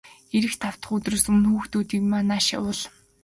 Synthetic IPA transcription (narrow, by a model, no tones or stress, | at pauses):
xeɾɘ̆xt̪ʰaw̥t̪ə̆χɵt̪rɵ̆sɵnxuːxt̪uːt̪iːkmanaːʃa̰ʊɮ